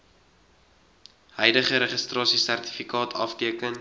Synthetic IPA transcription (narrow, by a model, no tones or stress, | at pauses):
hœjdəχəɾəχistrɑːsisærti̥fikɑːtʰɐ̰ftiəkən